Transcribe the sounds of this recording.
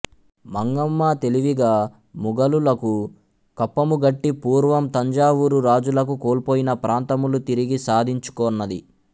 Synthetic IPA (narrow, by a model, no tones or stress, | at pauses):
mɐŋɡɐmːat̪e̞liʋiɡaː | muɡɐlulɐku | kɐpːɐmuɡɐʈːipuːɾʋɐmt̪ɐɲd͡ʒaːʋuɾuɾaːd͡ʒulɐkukoːlpoːjinɐpɾaːnt̪ɐmulut̪iɾiɡisaːd̪ʱiɲt͡ʃu̥kɔːnːɐd̪i